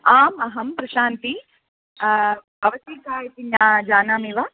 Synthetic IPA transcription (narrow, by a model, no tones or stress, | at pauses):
aːmɐɦɐmpɾɐʃaːnt̪i | ɐʋɐsiːkaːjɐt̪iɲjaːd͡ʒaːnaːmiʋɐ